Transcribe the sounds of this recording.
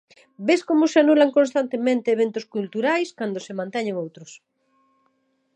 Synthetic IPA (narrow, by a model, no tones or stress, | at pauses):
beskomʊseanulaŋkõnst̪ant̪emẽnt̪eːβ̞ent̪ʊskult̪uɾajskand̪osemãnt̪ɛɲeŋowt̪ɾʊs